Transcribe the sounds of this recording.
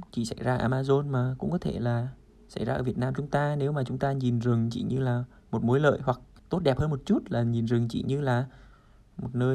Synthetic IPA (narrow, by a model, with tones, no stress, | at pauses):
t͡ɕḭ˧˩sa˧˩jzaː˧˨ʔaː˧maː˧zo˧nmaː˨˩kʊ̰˧˥ŋ͡mkɔ˨˦t̪ʰe˧˩laː˨˩ | sa̰˧˩jzaː˧əː˧˩i˨˩ət̚naː˧mt͡ɕʊ˨˦ŋ͡mt̪aː˧ne˨˦wmaː˨˩t͡ɕʊ˨˦ŋ͡mt̪aː˧ɲi˨˩nzɨ˨˩ŋt͡ɕḭ˧˨ɲɨ˧laː˨˩ | mo˨˩t̚mo˨˦jlə̰ː˧˨jhwa˨˩k̚t̪o˦˥t̚ɗɛ˨˩phəː˧mo˨˩t̚t͡ɕu˦˥t̚laː˨˩ɲi˨˩nzɨ˨˩ŋt͡ɕḭ˧˨ɲɨ˧laː˨˩ | mo˨˩t̚nəː˧j